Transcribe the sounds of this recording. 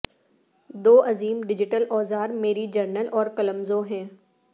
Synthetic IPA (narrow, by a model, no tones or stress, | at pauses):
d̪oːʔɐziːmɖɪd͡ʑɪʈəlʔɔːzaːɾmeːɾid͡ʒɐɾnəlʔɔːɾkɐləmzoːɦɛ̃ː